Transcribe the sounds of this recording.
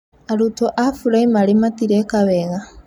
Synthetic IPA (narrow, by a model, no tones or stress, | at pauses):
aɾutʰoʔafulaimalimatiɾekaβeɣa